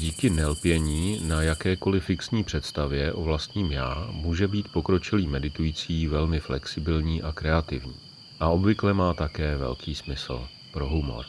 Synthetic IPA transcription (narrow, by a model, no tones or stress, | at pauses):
ɟiːkɪnɛlpjɛɲiːnajakɛːko̞lɪfɪksɲiːpr̝̥ɛt̪st̪avjɛʔo̞vlast̪ɲiːmjaːmuːʒɛbiːt̪po̞kɾo̞t͡ʃɪliːmɛdɪt̪ujiːt͡siːvɛlmɪflɛksɪbɪlɲiːʔakɾɛat̪ɪ̰vɲḭː | ʔaʔo̞bvɪklɛmaːt̪akɛːvɛ̰lkʰiːsmɪsl̩ | pɾo̞ɦumo̞̰ɾ